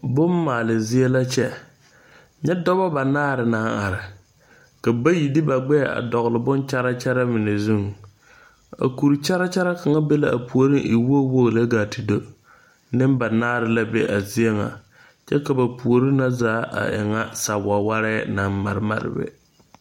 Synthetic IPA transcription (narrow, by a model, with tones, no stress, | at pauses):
bʊ˦mː˦aː˨lɪ˨zɪ˦e˦la˦t͡ʃɛ˦ | ɲɛ˦dɔ˦βa˦ba˨naː˦˨ɾɪ˨naː˨˦ŋa˨ɾɪ˨ | ka˨ba˦ji˨dɪ˦ba˨ɡ͡bɛ˦˨a̰˨dɔ˨ɣlɪ˨bʊ˦nt͡ʃa˦ɾa˦t͡ʃɛ˦ɾa˦mɪ˨nɛ˨zu˦ŋ | a̰˨ku˨ɾi˨t͡ʃa˦ɾa˦t͡ʃɛ˦ɾa˦ka˨ŋa˦be˦la˦ʔa˨pu˨o˨ɾɪ˦ŋʔɪ˨wo˦wo˦ɣla˦ɡaː˨ti˨do˦ | nɪ˦mba˨naː˦ɾɪ˨la˦be˦ʔa˨zi˦e˦ŋa̰˨ | t͡ʃɛ˦ka˨ba˨pu˨o˨ɾɪ˦na˦zaː˨˦ʔa̰˨ʔɪ̰˨ŋa˦sa˨wa˨wa˦ɾɛ˦na˨mma˨ɾɪ˦ma̰˨ɾɪ̰˨bɛ̰˨